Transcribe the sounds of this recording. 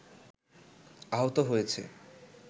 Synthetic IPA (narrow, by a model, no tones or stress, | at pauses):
aɦot̪oɦojet͡ɕʰḛ